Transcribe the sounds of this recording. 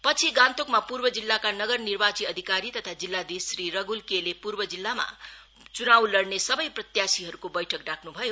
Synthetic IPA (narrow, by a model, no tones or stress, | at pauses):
pʌt͡sʰiɡant̪okmapurbʌd͡zilːakanʌɡʌrnirbat͡siʌd̪ʱikaɾit̪ʌt̪ʰad͡zilːad̪isriɾʌɡulkelepurbʌd͡zilːama̰ | t͡sunawlʌɽnesʌbʌjprʌt̪jasiɦʌɾukobʌjʈʰʌkɖakʰnubʱʌjo